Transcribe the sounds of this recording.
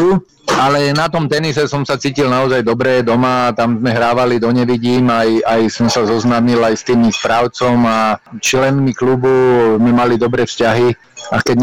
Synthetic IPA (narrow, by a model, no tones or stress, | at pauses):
alɛnat̪ɔmt̪ɛnisɛsɔmsat͡siːcilnaɔzajd̪ɔbɾɛd̪ɔmaːt̪amzmɛɦɾaːʋalid̪ɔɲɛʋiɟiːmajajsɔmsazɔznaːmilajst̪iːmixspɾaːʊt͡sɔmat͡ʃlɛnmiklubumimalid̪ɔbɾɛːfscaɦi | akɛɟɲ